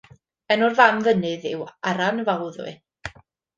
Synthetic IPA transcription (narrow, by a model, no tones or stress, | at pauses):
ənʊrvamðənɨðɪwaɾanəvawðwɨ̰